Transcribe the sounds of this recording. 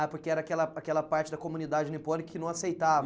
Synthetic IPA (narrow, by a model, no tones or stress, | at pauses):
apoɾkeɛɾɐakɛlɐakɛlɐpaɾt͡ʃɪd̪ɐkomunid̪ad͡ʒɪnipõnikɐkɪnɐ̃w̃asejt̪avɐ